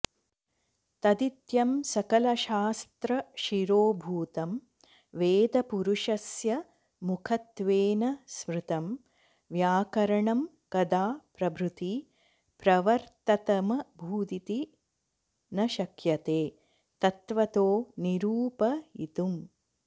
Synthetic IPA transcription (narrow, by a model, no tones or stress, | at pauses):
t̪ɐd̪it̪jɐmsɐkɐlɐʃaːst̪ɾɐʃiɾoːbʱuːt̪ɐm | ʋeːd̪ɐpuɾuʃɐsjɐ | mukʰɐt̪ʋeːnɐsmɾut̪ɐm | ʋjaːkɐɾɐɳɐm | kɐd̪aːpɾɐbʱɾut̪i | pɾɐʋɐɾt̪ɐt̪ɐmɐbʱuːd̪it̪i | nɐʃɐkʰjɐt̪eː | t̪ɐt̪ʋɐt̪oːniɾuːpɐḭt̪um